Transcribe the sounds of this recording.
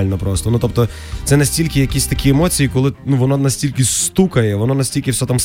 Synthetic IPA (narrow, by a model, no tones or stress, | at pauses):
lʲnɔpɾɔst̪ɔnut̪ɔp̚t̪ɔ | t̪sɛnɐsʲtʲilʲkʲɪjɐkʲisʲt̪ɐkʲiɛmɔt͡sʲijikɔlˠɪnuʋɔnɔnɐsʲtʲilʲkɪst̪ukɐjɛʋɔnɔnɐsʲtʲilʲkʲɪwsʲɔt̪ams